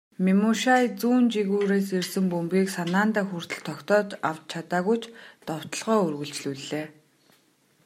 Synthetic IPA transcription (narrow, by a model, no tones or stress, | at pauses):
mimuʃajt͡suːnt͡ɕiɣuːɾeːsersɘ̆mpɵmpiːksanaːnt̪aːxur̥t̪ə̆ɮt̪ʰːɔkt̪ɔːt̪aw̥t̪̚t͡ɕʰat̪aːɣujt͡ɕʰt̪ɔw̥t̪ə̆ɮʁɔːɵrɣɵ̆ɮɬt͡ɕɮuːɮeː